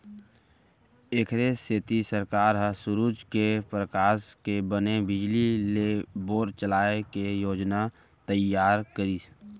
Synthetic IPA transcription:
eːkʰɾeseːt̪isəɾkaːɾɦə̃sʊɾuːd͡ʒkepɾəkaːskebənebɪd͡ʒlileboːɾt͡ʃəlaːekejoːd͡ʒna | t̪əjaːɾkəɾiːs

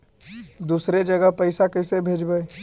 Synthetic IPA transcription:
d̪uːsɾed͡ʒɐɡəɦpɐɪsakɐɪsebʱeːd͡ʒbəe

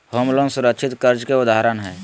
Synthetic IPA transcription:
homlõnsʊɾəkʃʰɪt̪kəɾd͡ʒkeʊd̪aɦɾənɦɛː

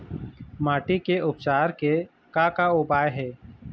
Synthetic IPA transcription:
maːʈikeʊpt͡ʃaːɾke | kakaʊbaːjɦɛː

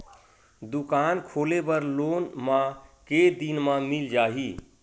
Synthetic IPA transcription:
d̪ukankʰolebəɾlonmãked̪inmãmild͡ʒaɦi

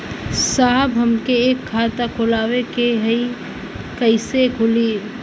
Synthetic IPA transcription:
saːɦbɦəmkeːkʰːaːt̪akʰoːlaːwekeɦəi | kəɪsekʰʊli

